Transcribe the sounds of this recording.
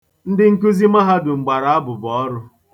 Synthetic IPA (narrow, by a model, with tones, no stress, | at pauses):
n̩˦dɪ˦ŋ̩˦ku˦zi˦ma˦ɦa˦dʊ˨ŋ͡m̩˨ɡ͡ba˨ɾa˨a˦bʊ˨bɔ˨˦ɾʊ˦